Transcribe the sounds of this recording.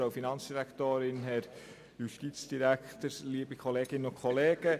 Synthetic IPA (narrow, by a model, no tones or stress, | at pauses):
oʊfinɑnt͡sd̥iɾæktoːɾɪnɦɛɾ | juʃtit͡sd̥iɾækt̪əɾliːəbikʰɔleːɡ̥ɪnʊkʰχɔleːɡ̥ə